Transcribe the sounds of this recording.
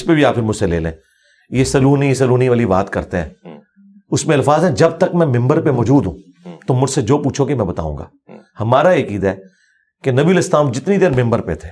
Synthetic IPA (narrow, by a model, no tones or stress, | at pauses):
spebʱiaːpkɪɾmʊd͡ʒselḛːlḛ̃ː | jesɐluːnisɐluːniʋaːliba̰ːt̪kɐ̰ɾt̪eɦɛ̰̃ː | ʊsmẽɐlfaːzɦɛ̃d͡ʒɐb̚t̪ɐkmɛ̃mɪ̃mbəɾpeʋɔːd͡ʒuːd̪ɦũː | t̪omʊd͡ʒsed͡ʒoːpuːt͡ʃʰokemɛ̃bɐt̪a̰ːṵ̃ːŋɡa̰ː | hɐmaːɾaeːkiːd̪aɦɛː | kenɐbiːəlɪst̪aːmd͡ʒɪt̪nid̪eːɾmɪ̃mbəɾpḛt̪ʰe̥ː